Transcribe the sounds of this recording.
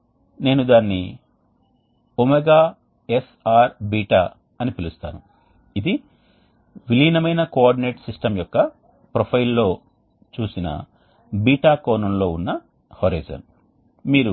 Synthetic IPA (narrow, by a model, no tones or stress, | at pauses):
ne̞ːnud̪aːnːi | omeɡaː | esaːɾbiːʈaː | ɐnipilust̪a̰ːnu | id̪i | ʋiliːnɐmɐjnɐkoaːɾɖine̞ːʈsisʈɐmjɔkːɐ | pɾopʰɐjlːo̞ː | t͡ʃuːsinɐ̰ | biːʈaːkɔːnɐmlo̞ːunːɐ | hoɾɐ̰ːd͡ʒɐ̰n | miːɾu